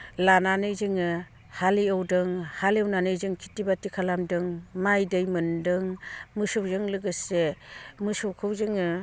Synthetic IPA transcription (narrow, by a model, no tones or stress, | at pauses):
lananɯjzɯŋɯ | haliɔwdɯŋhalewnanɯjzɯŋkʰitibatikʰalamdɯŋmajdɯjmɯndɯŋmɯsɔwzɯŋlɯɡɯsemɯsɔwkʰɯwzɯŋɯ